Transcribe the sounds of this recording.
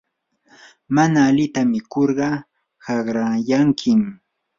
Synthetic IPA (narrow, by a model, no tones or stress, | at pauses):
manaːlɪt̪amɪkoɾɢɑ | hɑɢɾajaŋkʰɪm